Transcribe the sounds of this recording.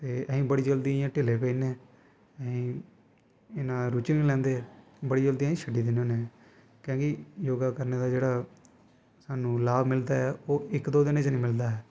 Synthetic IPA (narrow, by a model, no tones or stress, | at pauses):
t̪eːʔəɦĩːbəɽiːd͡ʒəld̪iãːʈɪleːpɛineː | əɦĩː | ɪnãːɾuːt͡ʃnĩːlɛ̃ːnd̪eː | bəɽiːd͡ʒəld̪iːãːĩːʃʰəɖiːd̪ɪnoːnẽː | kjõːkɪjoːɡaːkəɾneːd̪aːd͡ʒeːɽaː | saːnũːlaːbmɪld̪aːɛːoːʔɪkd̪oːd̪ɪnẽːt͡ʃnĩːmɪld̪aːɦɛː